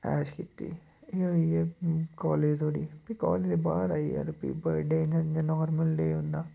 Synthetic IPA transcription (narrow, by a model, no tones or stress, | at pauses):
ɛːʃkit̪ːḭː | eːɦoːiɛkɔːleːd͡ʒt̪ʰoːɽiːpikɔ̰ːleːd͡ʒd̪ebaːɾa̰ːiɛ̰ɾpḭbəɖeːaanɔːɾməllḛːɦõnd̪aː